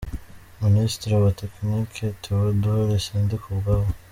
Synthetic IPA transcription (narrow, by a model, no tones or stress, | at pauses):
ministiɾiwateknikʰetʰuβuduheɾesiːndikʰubɡaβo